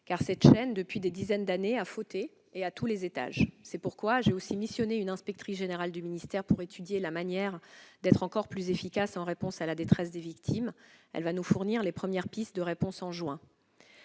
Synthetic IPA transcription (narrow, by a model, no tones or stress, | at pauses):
kaʁsɛt̪ʃɛnd̪əpɥid̪ed̪izɛnd̪aneafot̪eː | at̪ulezet̪a̰ʒsɛpuʁkwaʒeosimisjɔneynɛ̃spɛk̚t̪χisʒeneʁald̪yminist̪ɛʁpuʁet̪ʰyd̪jelamanjɛʁd̪ɛt̪χɑ̃kɔʁplyzefikʲasɑ̃ʁepɔ̃salad̪et̪χɛs̬d̪evikt̪ʰimɛ̰lvanufuʁniʁlepχəmjɛʁpist̪̚d̪əʁepɔ̃sɑ̃ʒwɛ̃